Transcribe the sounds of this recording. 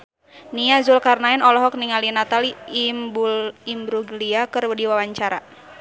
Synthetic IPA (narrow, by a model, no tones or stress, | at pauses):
niazulkarnaɛnɔlɔɦɔk̚niŋalinat̪alimbuimbɾuɡliakɨrwədiwawaɲt͡ʃaɾa